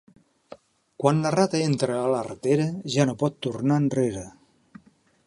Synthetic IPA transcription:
kwanlərat̪əent̪ɾəːlərət̪eɾəʒanopɔt̪ːurnanreɾə

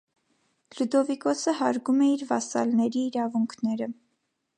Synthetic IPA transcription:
lud̪ɔvikɔsəɦɑɾɡumɛiɾvɑsɑ̰lnɛɾiːɾɑvuŋkʰnɛɾə

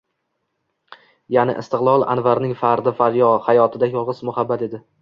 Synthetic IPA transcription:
janɪ̰ʔɪ̰st̪ɨqlˠɒlˠa̰nvaɾnɪŋfaɾd̪ɪfaɾjɒhajɒt̪ʰɪd̪ajɒlˠʁɨzmʊhabːat̪e̞d̪ɪ

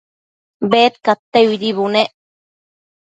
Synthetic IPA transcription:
beːt̪̚kat̪ːeid̪iβuneʔ

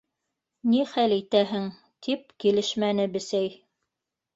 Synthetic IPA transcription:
niχælit̪æɦɘŋ | t̪ʰip̚kilɘʃmænɘbɘ̆sæj

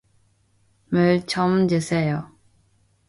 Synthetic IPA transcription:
mɯɭt͡ɕʰʌmd͡ʑesʰejo

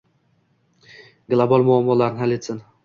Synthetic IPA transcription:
ɡlˠabalˠmʊamːɒlaɾnɪɦalet̪sɪn

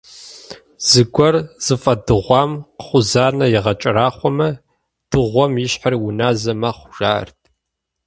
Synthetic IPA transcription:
z̥ɨɡʷɔrz̥ɨfʼɐdɨʁʷɑːmqχʷʊzaːnɐjɪʁɐt͡ʃʼɐraːχʷɔmɐ | d̥ɨʁʷɔmjɪɕħarwʊnaːzɐmɐχʷʊʒa̰ːrtʰʼ

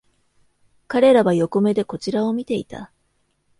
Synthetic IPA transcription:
kaɾe̞ɾaβajo̞ko̞me̞d̪e̞ko̞t͡ɕiɾao̞mʲit̪e̞ḭt̪a̰

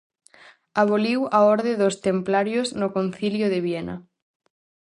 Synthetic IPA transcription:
aβ̞oliwaɔɾðeðost̪emplaɾjoznʊkon̟θiljoðeβjɛnɐ̰

